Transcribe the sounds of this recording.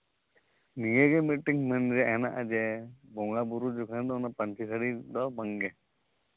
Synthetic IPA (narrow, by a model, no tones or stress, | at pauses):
niɡɛɡɛmiʈːiŋmɛnɾɛaʔɦɛna̰ʔad͡ʒɛbɔŋɡabuɾud͡ʒukʰand̪ɔnapəntʰisaɽid̪ɔbaŋɡɛ